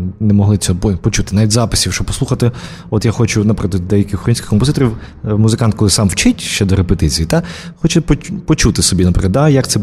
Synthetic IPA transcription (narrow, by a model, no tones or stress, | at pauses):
nɛmɔɦlˠɪt͡sʲɔpɔt͡ʃut̪ɪnaʋʲitʲzɑpɪsʲiwʃt͡ʃɔbpɔsˠuxɐt̪ɪ | ɔt̪jaxɔt͡ʃʊnɐpɾɪklˠɐd̪d̪ɛjɐkʲɪxɾɔinʲsʲkʲɪ̥xkɔmp̬ɔzɪt̪ɔɾʲiw | muzɪkɑnt̪̚kɔlˠɪsɑmwt͡ʃɪtʲʃt͡ʃɛd̪ɔɾepet̪ɪt͡sʲijit̪axɔt͡ʃɛpɔpɔt͡ʃut̪ɪsɔbʲinɐpɾɪ̰klˠɐd̪d̪ajɐkt̪sɛ